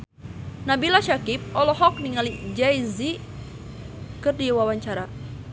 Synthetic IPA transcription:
nabilaʃakip̚ɔlɔɦɔk̚niŋalid͡ʒajzi | kɨrdiwawaɲt͡ʃaɾa

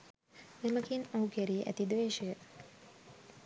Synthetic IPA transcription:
neməkinawkæɾiːʔæ̰t̪id̪ʋeːʃəjə

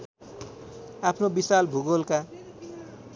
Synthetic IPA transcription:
apʰnobisalbʱuɡolka

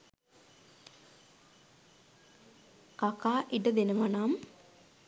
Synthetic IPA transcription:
kakaːʔiʈəd̪enəʋanam

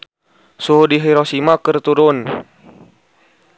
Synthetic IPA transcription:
suɦudiɦiɾɔsimakərt̪uɾʊn

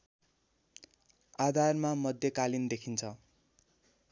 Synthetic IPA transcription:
ad̪ʱarmamʌd̪ʱjʌkalind̪ekʰint͡sʰʌ

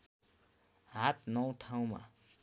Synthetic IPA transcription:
ɦat̪nʌw̃ʈʰaw̃ma̰

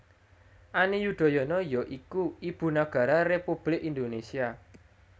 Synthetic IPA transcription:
ʔanijud̪̥ɔ̤jɔnɔjɔʔikuib̥ṳnaɡ̥ä̤ɾarepub̥lɪkind̪onesia

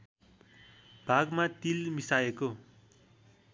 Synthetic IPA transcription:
b̥ʱaɡmat̪ilmisajeko

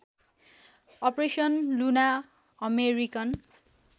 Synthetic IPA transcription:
ʌpresʌnluna | ʌmeɾikʌn

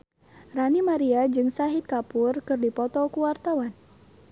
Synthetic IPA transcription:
ranimaɾiad͡ʒɨŋsaɦit̪̚kapurkɨrdipɔt̪ɔkuwart̪awan

